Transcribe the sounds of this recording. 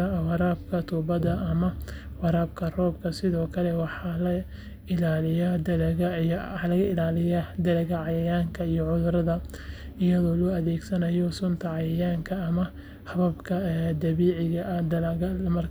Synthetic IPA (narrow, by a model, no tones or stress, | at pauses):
ɐwɑɾaːbkʰɐt̪ʰuːbɐd̪ɐʔɐmɐwɑɾaːbkʰɐrɔːbkʰɐsɪðɔːkʰɐlɛwɑħɑːlɐ | ɪlaːlɪjad̪ɐlɛɣɐħlɐɣɐɪlaːlɪjad̪ɐlɐɣɐʕɑjɐjaːŋkʰɐijɔʕʊðʊɾɐðɐ | ɪjɐðɔːlɔːɐðɛːɡsɐnɐjɔsʊnt̪ʰɐʕɑjɐjaːŋkʰɐːmɐ | hɐβɐbkʰɐd̪ɐβiːʕɪɣɐʔɐd̪ɐlːɣɐlmɐr